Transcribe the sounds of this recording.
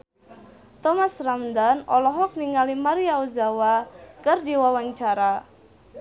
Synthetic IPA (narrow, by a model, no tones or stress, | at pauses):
t̪ɔmasramdanɔ̰lɔɦɔk̚niŋalimaɾiauzawakərdiwawaɲt͡ʃaɾa